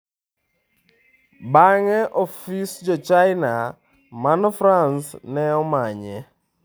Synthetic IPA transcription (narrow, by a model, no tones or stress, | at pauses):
baŋɛʔɔfisd͡ʒɔt͡ʃajna | manɔfɾansnɛɔmaɲɛ